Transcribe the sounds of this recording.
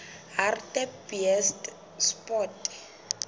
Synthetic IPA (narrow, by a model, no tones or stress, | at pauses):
ɦartɛpiɛst | spɔt